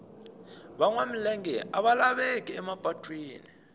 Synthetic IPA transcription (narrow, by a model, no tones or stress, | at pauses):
ɓaŋwam̩lɛŋɛʔaɓalaɓɛkʼɛɛmab̥ʱatʼwiːni